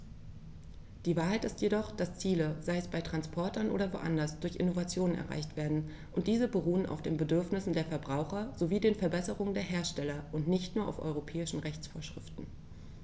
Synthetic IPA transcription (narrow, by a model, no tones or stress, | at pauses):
d̥iːvaːɐɦaɪtɪstjedɔχd̥ast͡siːləzaɪɛsb̥aɪtʁ̥anspʰɔɐtʰɐnʔo̰ːdɐvo̰ːʔa̰ndɐsd̥ʊɐçʔɪ̰novat͡sjoːnənɛ̰ɐʁa̰ɪçtv̥eːɐdn̩ | ʔʊntd̥iːzəbəʁuːəna̰ʊfd̥eːnbədʏɐfnɪsn̩deːɐfɛɐbʁaʊxɐz̥oviːdeːnfɛɐbɛsəʁʊŋəndeːɐɦeːɐʃtɛlɐʔʊntnɪçtnuːɐʔa̰ʊfʔɔ̰ʏʁopʰɛːɪʃn̩ʁɛçt͡sfoːɐʃʁ̥ɪ̰ftn̩